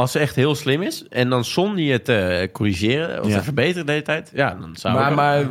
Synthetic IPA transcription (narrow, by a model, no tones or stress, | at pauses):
ɑlˠsətɛxthɪːəlˠslɪmɪsɛndɔnsɔniətəkoriʒɪːrəɔ̰səfərbejtərədeːzətɛjtjadɔ̰nsa̰a